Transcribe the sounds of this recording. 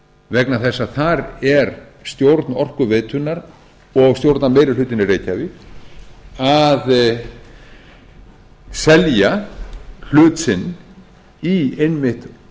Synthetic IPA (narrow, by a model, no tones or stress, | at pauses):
vɛknaθɛsːaθaɾɛɾst̪jowɾt̪nɔr̥kʏveːt̪ʏnːaɾ | ɔɣst̪jowɾt̪nameːjɾɪlʏːt̪ɪnɪrejcavɪ | að | sɛlja | l̥ʏːt̪sɪn | iejnmɪht̪